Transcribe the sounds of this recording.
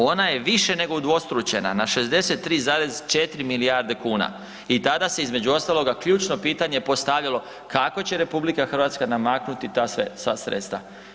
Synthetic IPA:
o̞najeʋiʃe̞ne̞ɡoud̪ʋo̞st̪ɾut͡ɕe̞na̰naʃezd̪e̞se̞t̪ːɾiːzaːɾezt͡ʃet̪ɾimilijaːɾd̪ekuːna̰ | it̪ad̪ase̞izme̞d͡ʑuo̞st̪alo̞ɡakʎuːt͡ʃno̞piːt̪aɲe̞po̞st̪aʋʎalˠo̞ | kako̞t͡ɕe̞ɾe̞publikaxr̩ʋaːt̪skanamaknut̪it̪aːsḛsa̰sɾet̪st̪a̰

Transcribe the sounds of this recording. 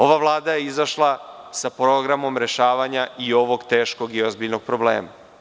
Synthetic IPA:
o̞ʋaʋlˠaːd̪ajeizaʃlˠasapɾo̞ɡɾamo̞mɾe̞ʃaːʋaɲaʔio̞ʋo̞ɡt̪e̞ːʃko̞ɡiozbiʎnoɡ̥̚pɾoblḛːma̰

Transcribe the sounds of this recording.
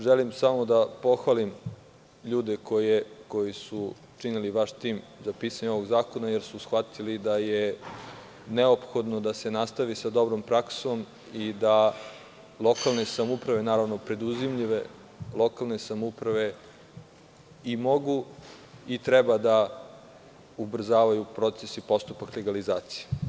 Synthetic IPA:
ʒelimsamo̞d̪apo̞xʋalim | ʎuːd̪eko̞jeko̞jisu | t͡ʃiniliʋaʃt̪iːm | zapiːsaɲeoʋo̞ɡzaːko̞naje̞ɾsusxʋat̪ʰilid̪aje | neopxo̞d̪no̞d̪ase̞nast̪aʋisad̪o̞bɾompɾakso̞m | id̪a | lˠo̞kalˠne̞samoupɾaʋe̞naːɾaʋno̞pɾe̞d̪uzimʎiʋe̞ | lo̞kalˠne̞samoupɾaʋe̞ | imoɡu | it̪ɾɛbad̪a | ubr̩zaːʋajupɾo̞t̪sesipo̞st̪upakleɡalizaːt̪si̥je̥

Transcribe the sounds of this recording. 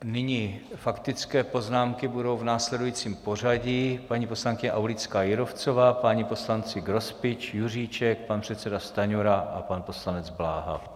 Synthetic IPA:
nɪɲiːfakt̪ɪt͡skɛːpo̞znaːmkɪbudo̞wvnaːslɛdujiːt͡siːmpo̞r̝aɟipaɲiːpo̞slaŋkɪɲɛʔawlɪt͡skaːjɪɾo̞ft͡so̞vaːpaɲipo̞slant͡sɪɡɾo̞spɪt͡ʃjuriːt͡ʃɛk̚panpr̝̥ɛt̪t͡sɛdast̪aɲuɾaʔapanpo̞slanɛd͡zblaːɦa̰

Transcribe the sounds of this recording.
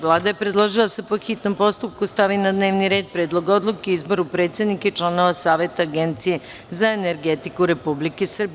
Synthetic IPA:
ʋlˠaːd̪ajepɾed̪lˠoʒilˠasepo̞xit̪nompo̞st̪up̚kust̪aʋinad̪ne̞ːʋniɾe̞ːd̪̚pɾed̪lˠo̞ɡao̞d̪lˠukeizbo̞ɾupɾet̪sje̞d̪nikat͡ʃlˠano̞ʋasaːʋe̞t̪aːɡe̞nt̪sije | zaeneɾɡet̪ikuɾe̞publikesr̩bi

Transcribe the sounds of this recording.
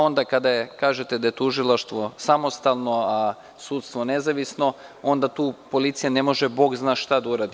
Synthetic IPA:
o̞nd̪akad̪ajekaːʒe̞t̪ed̪ajet̪uʒilˠaʃt̪ʋo̞samo̞st̪alˠnoa | suːt̪st̪ʋone̞zaʋisno̞ | o̞nd̪at̪uːpo̞lit̪sijane̞mo̞ʒebo̞ɡznaːʃt̪ad̪auɾad̪i

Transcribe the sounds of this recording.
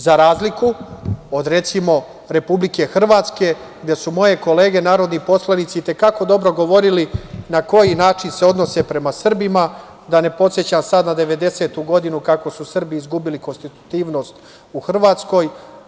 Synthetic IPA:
zaɾaːzlikuod̪ɾe̞t̪simo̞ | ɾe̞publike̞xr̩ʋaːt̪ske̞ | ɡd̪je̞sumo̞je̞ko̞le̞ːɡe̞naːɾo̞d̪nipo̞slˠanit̪sit̪e̞kako̞d̪o̞bɾo̞ɡo̞ʋo̞ɾilinako̞jinaːt͡ʃinse̞o̞d̪no̞se̞pɾe̞masr̩bima | d̪ane̞po̞t̪sjet͡ɕamsad̪nad̪e̞ʋe̞d̪e̞se̞t̪uɡo̞d̪inukako̞susr̩biːzɡubilikonst̪it̪u̥t̪iːʋno̞ːst̪ | uxr̩ʋaːt̪sko̞ːj

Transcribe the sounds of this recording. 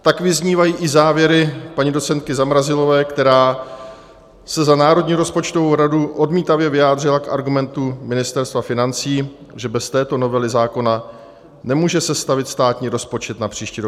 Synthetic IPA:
t̪akvɪzɲiːvajiːʔɪzaːvjɛɾɪpaɲidot͡sɛnt̪̚kɪzamɾazɪlo̞vɛːkt̪ɛɾaː | sɛzanaːɾo̞dɲiːɾo̞spo̞t͡ʃt̪o̞vowɾaduʔo̞dmiːt̪avjɛvɪjaːd̪r̝ɪlaka̰ɾɡumɛnt̪umɪnɪst̪ɛɾst̪vafɪnant͡siːʒɛbɛst̪ɛːt̪o̞no̞vɛlɪzaːko̞na | nɛmuːʒɛsɛst̪avɪt̪st̪aːt̪ɲiːɾo̞spo̞t͡ʃɛt̪napr̝̥iːʃciːdo

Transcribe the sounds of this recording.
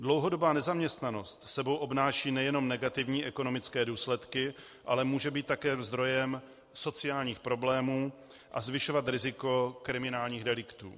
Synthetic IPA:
dlowɦo̞do̞baːnɛzamɲɛst̪nano̞st̪sɛbo̞wʔo̞bnaːʃiːnɛjɛno̞mnɛɡat̪ɪvɲiːʔɛko̞no̞mɪt͡skɛːduːslɛt̪kɪ | ʔa̰lɛmuːʒɛbiːt̪ːakɛːzd̪ɾo̞jɛm | so̞t͡sɪaːlɲiːxpɾo̞blɛːmuː | ʔazvɪʃo̞vat̪ɾɪzɪko̞kɾɪmɪnaːlɲiːɣdɛlɪkt̪ṵː

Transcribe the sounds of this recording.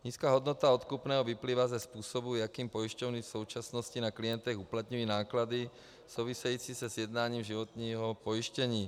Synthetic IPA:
ɲiːskaːɦɔd̪nɔt̪aɔt̪kupnɛːɦɔvipliːʋazɛspuːsɔbujakiːmpɔjiʃcɔʊniːfsowt͡ʃasnɔscinaklijɛnt̪ɛɣuplat̪ɲujiːnaːklad̪i | sowʋisɛjiːt͡sisɛzjɛd̪naːɲiːmʒiʋɔt̪ɲiːɦɔpɔjiʃcɛɲiː

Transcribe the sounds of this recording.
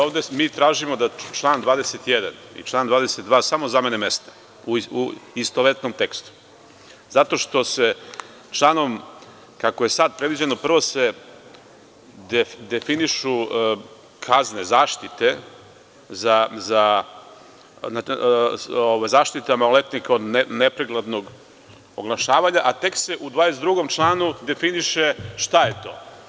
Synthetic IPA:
oʋd̪emiːt̪ɾaːʒimo̞d̪at͡ʃlˠaːnd̪ʋaːd̪eset̪ijed̪anḭt͡ʃlˠaːnd̪ʋaːd̪eset̪̚d̪ʋaːsamo̞zamenemest̪ḁ | uist̪oʋet̪nomt̪e̞kst̪u̥ | zat̪o̞ʃt̪o̞se̞ | t͡ʃlˠaːno̞m | kakoje̞sad̪̚pɾed̪ʋid͡ʑenopr̩ʋo̞se̞ | d̪ed̪e̞finiʃu | kʰaznezaːʃt̪it̪e̞ | zaza | na | oʋajzaːʃt̪it̪amaolet̪nikod̪nepɾeɡled̪no̞ɡ | o̞ɡlˠaʃaːʋaɲaʔat̪e̞kse̞ʔud̪ʋaːjesd̪ɾuɡo̞mt͡ʃlˠaːnud̪e̞finiʃe̞ʃt̪aje̞t̪o̞̰ː

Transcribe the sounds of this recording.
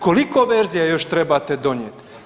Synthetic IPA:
ko̞likoʋeɾzijajo̞ʃt̪ɾebat̪ed̪o̞ɲjet̪

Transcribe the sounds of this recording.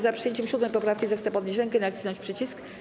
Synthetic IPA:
zapʂɨjeɲt͡ɕɛmɕud̪̚mɛjpɔpɾafkʲizɛxt̪sɛpɔd̪ɲet͡ɕɾɛŋkɛnat͡ɕisnɔ̃ɲt͡ɕʲpʂɘt͡ɕisk

